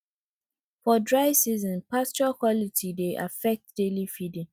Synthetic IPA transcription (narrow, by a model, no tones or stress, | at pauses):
fɔdɹaɪsizɔ̃npʰast͡ʃɔkʰwɔlitʰideʔafɛk̚t̚d̥elifidĩŋ